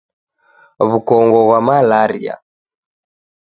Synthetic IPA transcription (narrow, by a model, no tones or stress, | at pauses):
βukɔŋɡɔɣwamalaɾḭa̰